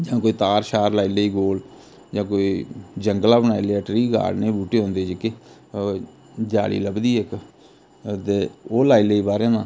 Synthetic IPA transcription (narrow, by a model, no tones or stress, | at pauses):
d͡ʒãːkoːiːt̪aːɾʃaːɾlaːileːiːɡoːl | d͡ʒãːkoːiːd͡ʒəŋɡlaːbənaːileːaːʈɾiːɡa̰ːɾneːbuːʈeːɦõːnd̪eːd͡ʒɪkeː | d͡ʒa̰ːlḭːləbd̪iːek | t̪eːoːlaːileːiːbaːɾẽːnãː